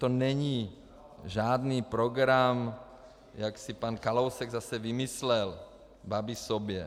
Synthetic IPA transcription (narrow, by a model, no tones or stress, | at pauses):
t̪onɛɲiː | ʒaːd̪niːpɾoɡɾam | jaksipankalowsɛɡzasɛvimislɛl | babisobjɛ